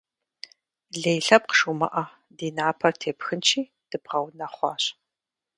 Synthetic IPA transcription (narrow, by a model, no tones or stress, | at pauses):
ɮejɬɐp̚qə̥ʂumɐ̰ʔɐ | diːnaːpʰɐrtʰeːpxɨnt͡ʃʰiː | d̥ɨbʁɐwnɐχʷɑ̰ːɕ